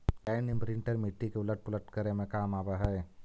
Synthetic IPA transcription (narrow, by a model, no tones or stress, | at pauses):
ɛːnibɾɪ̃ɳʈəɾmɪʈːikeʊləʈ̚pʊləʈkɐɾemẽkaːmaːbaɦɛː